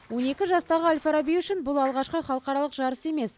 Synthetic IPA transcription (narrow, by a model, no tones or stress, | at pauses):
wo̞ne̞kʲɪʒɑst̪ɑʁəalʲfaɾabiʏʃɪnbʊlˠɑlˠʁɑʃqəχɑlˠəqɑɾɑlˠəqʒɑɾəse̞me̞s